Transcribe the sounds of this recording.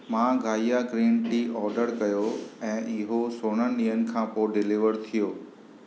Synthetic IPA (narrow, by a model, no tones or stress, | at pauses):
mãːɡʱaːijaɡɾĩːnʈiːʔɔːɾɖəɾkɐjoɛ̃ːʔɪɦosoːɽ̃ənĩːɦənɪ̆kʰãːpoːɖɪlɪʋəɾt̪ʰijoː